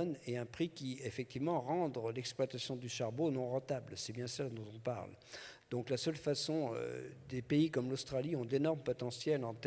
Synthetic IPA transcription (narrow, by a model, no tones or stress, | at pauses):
nɛɛ̃pχikʲiefɛk̚t̪ivmɑ̃ʁɑ̃d̪ʁəlɛksplwat̪asjɔ̃d̪yʃaʁbonɔ̃ʁɑ̃t̪ablsɛbjɛ̃sɛld̪ɔ̃t̪ɔ̃pa̰ʁl | d̪̥ɔ̃klasœlfasɔ̃ø̰d̪epeikɔmlost̪χaliɔ̃d̪enɔʁmpɔt̪ɑ̃sjɛlɑ̃t̪